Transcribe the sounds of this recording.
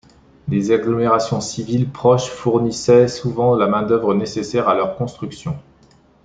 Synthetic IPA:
lezaɡlɔmeʁasjɔ̃sivilpχɔʃfuʁnisɛsuvɑ̃lamɛ̃d̪œvʁənesesɛʁalœʁkɔ̃st̪χyksjɔ̃

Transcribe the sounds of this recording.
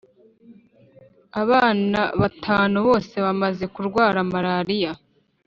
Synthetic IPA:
aβaːna̰βatʰaːnuβo̞ːse̞βamaze̞kuɾɡwaːɾamaɾaɾija

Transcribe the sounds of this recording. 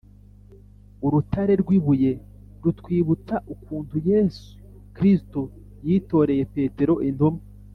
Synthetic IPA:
uɾutaɾe̞ɾɡwiːβuje̞ | ɾutwiːβutaʔukuːntuje̞su̥ | kɾisto | jiːto̞ːɾe̞je̞pe̞ːte̞ɾo̞ʔindome

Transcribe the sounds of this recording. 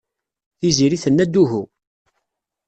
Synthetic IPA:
θiziɾiθənːæd̪uɦu

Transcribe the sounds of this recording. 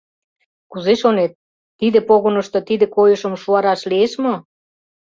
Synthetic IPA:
kuzeʃonet̪̚ː | id̪epoɣonŏʃt̪ŏt̪id̪ĕkojəʃə̆mʃuɑɾɑʃlieʃmo

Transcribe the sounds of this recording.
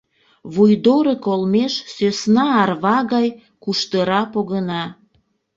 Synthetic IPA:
βujd̪oɾekolmeʃsøsnɑːrβɑɣɑj | kuʃt̪əɾɑpoɣənɑ

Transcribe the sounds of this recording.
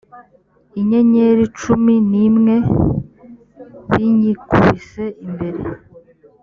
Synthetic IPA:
iɲeɲeɾit͡ʃuminimŋe | βiɲikṵβise̞imbe̞ɾḛ

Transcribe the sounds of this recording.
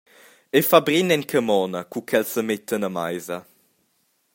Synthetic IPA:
efabɾinɛnkʰəmɔnəkukʰɛlsəmet̪ʰənəma̰jzə

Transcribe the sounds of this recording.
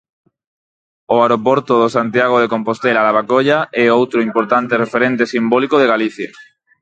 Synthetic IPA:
oaɾopoɾt̪oðosant̪jaɣ̞oð̞ekompost̪elalaβ̞akoʎaeowt̪ɾoimpoɾt̪ant̪erefeɾẽnt̪esimbolikoðeɣaliθja

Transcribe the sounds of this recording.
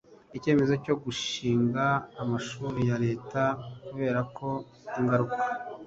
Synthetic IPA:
ice̞ːme̞zo̞co̞ɡuʃiːŋɡaːmaʃuːɾijaɾe̞ːtakuβe̞ːɾakʰo̞ | iŋɡaɾukḁ

